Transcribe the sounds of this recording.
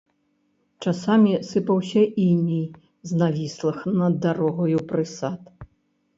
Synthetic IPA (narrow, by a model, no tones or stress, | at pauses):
t͡ʂasamʲisɨpɐwsʲɐʔimʲij | znavʲislˠɨxnɐd̪ːaɾɔɣɔjupɾɨsat̪